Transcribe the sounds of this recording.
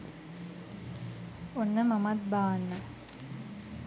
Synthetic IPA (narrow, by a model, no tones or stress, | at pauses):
onːəmɐmɐt̪̚baːnːə